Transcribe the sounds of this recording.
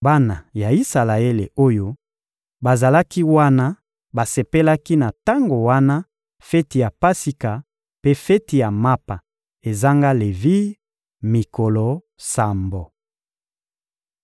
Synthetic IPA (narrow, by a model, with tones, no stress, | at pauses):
ba˦na˨ja˨i˦sa˨la˨e˦lḛ˨o˦jo˦ | ba˨za˨la˦ki˦wa˦na˦ | ba˨se˨pe˦la˦ki˦na˨ta˦ŋɡo˨wa˦na˦ | fe˦ti˨ja˨pa˦si˦ka˨ | pe˦fɛ˦ti˨ja˨ma˦pa˨ | e˨za˦ŋɡa˦le˨vi˦ | mi˨ko˨lo˨ | sa˨mbo˨